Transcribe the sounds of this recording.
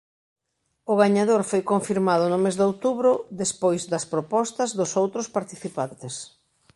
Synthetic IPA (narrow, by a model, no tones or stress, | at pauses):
ʊɣaɲaðoɾfojkoɱfiɾmaðʊnʊmezðowt̪uβɾʊðespojzðɐspɾopɔst̪ɐzðʊsowt̪ɾʊspaɾt̪iθipant̪ɪs